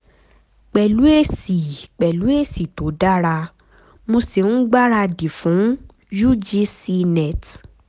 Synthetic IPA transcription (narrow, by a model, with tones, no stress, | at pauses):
k͡pɛ˨lu˨˦e˦˨si˨k͡pɛ˨lu˨˦e˦˨si˨to˨˦da˦ɾa˧ | mo˧se˨n̩˦ɡ͡ba˦ɾa˧di˨fũ˨˦ | ju˦d͡ʒi˦si˧nɛ˨t